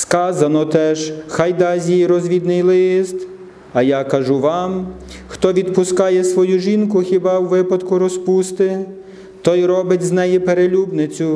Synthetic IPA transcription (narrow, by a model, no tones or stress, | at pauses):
skɑzɐnɔt̪ɛʒxɑjd̪ɑzʲjijiɾɔzʲʋʲid̪nɪjlˠɪst̪ | ɐjɑkɐʒuʋɑm | xt̪ɔʋʲid̪pʊskɑjɛsʋɔjuʒʲinkʊxʲibɑwʋɪpɐd̪kʊɾɔspust̪ɪ | t̪ɔjɾɔbɪtʲznɛjipeɾelʲubnɪt͡sʲʊ